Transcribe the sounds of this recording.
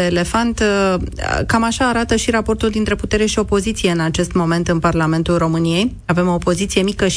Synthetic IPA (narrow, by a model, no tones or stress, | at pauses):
eːle̞fant̪ | kamaʃaːɾat̪əʃiɾapo̞rt̪uld̪int̪ɾe̞put̪e̞ɾe̞ʃio̞po̞zit̪sije̞ɨnat͡ʃe̞st̪mo̞me̞nt̪ɨnparlame̞nt̪ulro̞mɨnije̞j | ave̞mo̞po̞zit̪sije̞mikəʃ